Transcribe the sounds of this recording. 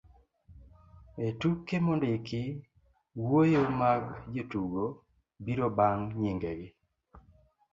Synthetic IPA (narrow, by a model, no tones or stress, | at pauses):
etukːemondɪkɪ | wojomaɡd͡ʒotuɡo | biɾobaŋɲiŋɡeɡɪ